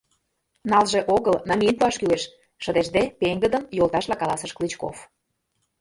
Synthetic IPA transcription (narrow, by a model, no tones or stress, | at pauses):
nɑlʒeʔoɣəlnɑmʲiənpuɑʃkyleʃ | ʃə̆d̪eʃd̪epeŋɡəd̪ə̆mjolt̪ɑʃlɑkɑlɑsə̆ʃklit͡ɕko̰f